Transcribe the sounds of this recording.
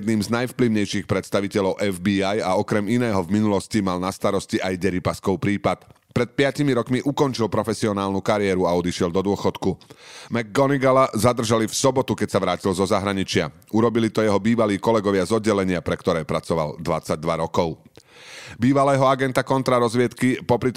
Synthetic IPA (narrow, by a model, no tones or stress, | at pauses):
d̪niːmznajfpliʊɲɛjʃixpɾɛt̪st̪aʋicɛʎɔʊʔɛvbiːajaɔkɾɛminɛːɦɔvminulɔscimalnast̪aɾɔsciʔajɟɛɾipaskɔʊpɾiːpat̪ | pɾɛt̪̚pɪacimiɾɔkmiʔukɔnt͡ʃilpɾɔfɛsiɔnaːlnukaɾɪɛːɾuaɔd̪iʃɪɛld̪ɔd̪ʊɔxɔt̪kumɛɡːɔniɡalazad̪r̩ʒalifsɔbɔt̪ukɛcsaʋɾaːcilzɔzaɦɾaɲit͡ʃɪa̰ | uɾɔbilit̪ɔjɛɦɔbiːʋaliːkɔlɛɡɔʋɪazɔd̪ɟɛlɛɲɪapɾɛkt̪ɔɾɛːpɾat͡sɔʋa̰ld̪ʋat͡saɟ̚d̪ʋaɾɔkɔʊ | biːʋalɛːɦɔaɡɛnt̪akɔnt̪ɾaɾɔzʋɪɛt̪kipɔpɾit̪